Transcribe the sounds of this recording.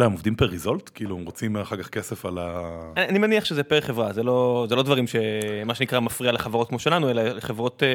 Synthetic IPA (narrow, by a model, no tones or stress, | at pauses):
laemovd̪impeʁizo̞ltkiːluemʁot͡simaχaʁkaχkesefalaanimeniaχʃezepeʁeχevʁazelo̞zelo̞dvaʁimʃe̞maʃenikʁamafʁialeχavaʁotkmo̞ʃelanue̞laleχevʁo̞t